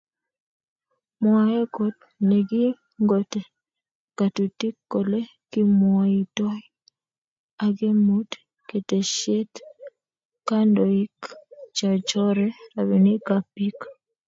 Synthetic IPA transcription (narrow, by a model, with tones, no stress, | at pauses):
mwa˨e˦ko˨t̚ | ne˨ɡɪ˦ | ŋɡo˦te˨ | ka˨tu˨ti˦kːo˨le˦ | ki˦mwa˨i˨tɔ˦j | a˨ɡe˦mu˦t | ke˨te˨ʃe˦t | ka˦ndɔ˨i˦kt͡ʃa˨t͡ʃɔ˦ɾɛ˦a˨wi˨ni˦ka˨pi˦k